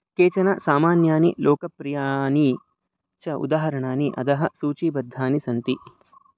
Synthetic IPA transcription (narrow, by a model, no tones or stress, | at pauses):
keːt͡ʃɐnɐsaːmaːnjaːnilɔːkɐpɾijaːni | t͡ʃɐṵd̪aːɦɐɾɐɳaːniʔɐ̰d̪ɐɦɐsuːt͡ʃiːbɐd̪ʱːaːnisɐnt̪i